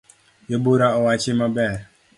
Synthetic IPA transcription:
joboɾaɔwat͡ʃɪmabɛɾ

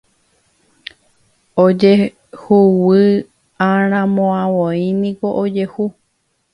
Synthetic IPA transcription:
od͡ʒe | huwɨ | ãɾ̃ãmõãwoĩnĩko̞ʔod͡ʒe̞hu

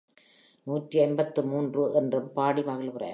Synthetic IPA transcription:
nuːʈriɐɪnbɐt̪ːɯmuːndrɯʔɛndrɯmpaːɽimaɣɐɭkɯrɐ̰ː

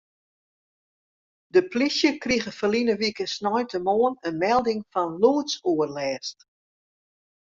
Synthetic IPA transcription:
dəplisjəkriɣəfəlinəʋikəsnɔjtʰəmoːənənmɛlˠdɪŋfɔnluətsuərlɛːst

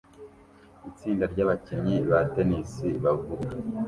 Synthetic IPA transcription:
it͡siːndaɾɟaβaciɲiβatenisiβavuɡa

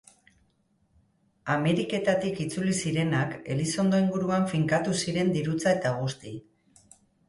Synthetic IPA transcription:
ame̞ɾike̞t̪at̪ikit͡sulisiɾe̞nake̞liso̞nd̪o̞iŋɡuɾuaɱfiŋkat̪usiɾe̞nd̪iɾut͡sae̞t̪aɣ̞ust̪i

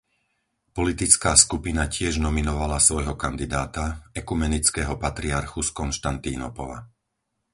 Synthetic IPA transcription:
pɔlit̪it͡skaːskupinacɪɛʒnɔminɔʋalasʋɔjɦɔkand̪id̪aːt̪aɛkumɛnit͡skɛːɦɔpat̪ɾiaɾxuskɔnʃt̪ant̪iːnɔpɔ̰la̰

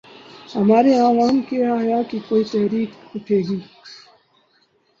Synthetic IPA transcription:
hɐmaːɾeaːʋaːmkeaɦjaːkikoːit̪ɛɦɾiːkʊʈʰeːɡiː

